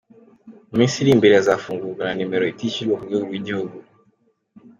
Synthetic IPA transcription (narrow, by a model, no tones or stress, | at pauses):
mĩsiɾĩm̩biɾɛzafũŋɡukaɾãnĩmɛɾɔitit͡ʃilokuɡeuɾuid͡ʒɛoɡu